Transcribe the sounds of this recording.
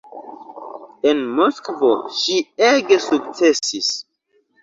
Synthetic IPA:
enmoskovoʃieɡesuk̚t͡sesis

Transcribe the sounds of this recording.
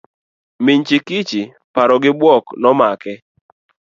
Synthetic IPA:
mɪɲt͡ʃikit͡ʃi | paɾɔɡɪbwɔknɔmakɛ

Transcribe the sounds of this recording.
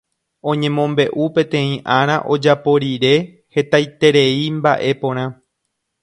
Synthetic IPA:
õ̞ɲẽ̞mõ̞mbe̞ʔupẽ̞t̪ẽ̞ĩʔãɾ̃ãʔo̞d͡ʒapo̞ɾiɾe̞ | he̞t̪ajt̪e̞ɾe̞imba̰ʔe̞põ̞ɾ̃ã

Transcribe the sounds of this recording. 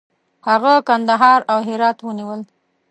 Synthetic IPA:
haɣakand̪aɦɑɾawɦɪɾɑt̪wəniwəl

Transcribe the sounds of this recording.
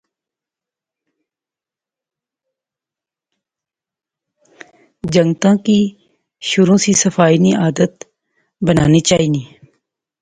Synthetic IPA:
d͡ʒəŋɡt̪ãːkiː | ʃʊɾõːsisəfaːiːniʔaːd̪ət̪ | bəna̰ːniːt͡ʃaːɦiːnĩː

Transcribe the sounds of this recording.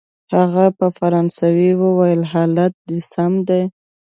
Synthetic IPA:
haɣapəfaɾɑnsawiwəwajəlɦɑlat̪̚d̪isamd̪aj

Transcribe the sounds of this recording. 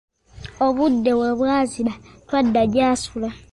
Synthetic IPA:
o̞βudːe̞weβwaːzilatwadːaɟaːsula

